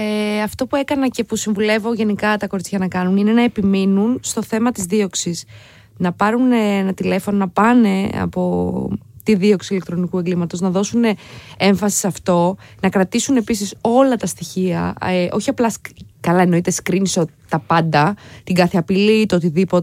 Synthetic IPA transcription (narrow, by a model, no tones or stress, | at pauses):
eɐft̪o̞pue̞kɐnɐce̞pusiɱvule̞vo̞ʝe̞nikɐt̪ɐko̞ɾit͡sçɐnɐkɐnunine̞nɐepiminunst̪o̞θe̞mɐt̪izðio̞ksis | nɐpɐɾuneenɐt̪ile̞fo̞no̞nɐpɐne̞ɐ̰po̞ | t̪iðio̞ksile̞k̚t̪ɾo̞nikue̞ŋɡlimɐt̪o̞znɐðo̞sune̞e̞ɱfɐsi̥sɐft̪o̞nɐkɾɐt̪isune̞pisiso̞lɐt̪ɐst̪içiɐ̰eʔo̞çiɐplɐskɐlɐeno̞it̪eskɾiniso | t̪ɐpɐnd̪ɐt̪iŋɡɐθeɐpilit̪ot̪iðipo̞t̪